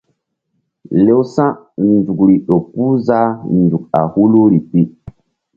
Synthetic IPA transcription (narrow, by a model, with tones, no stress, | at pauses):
le˦wsã˦ | ndu˨kɾi˨ɗo˨pːu˦za˦n˨du˨k̚a̰˨hu˦lu˦ɾi˨pi˦